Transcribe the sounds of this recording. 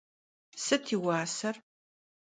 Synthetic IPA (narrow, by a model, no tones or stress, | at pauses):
sɨtʰiːwaːsɐr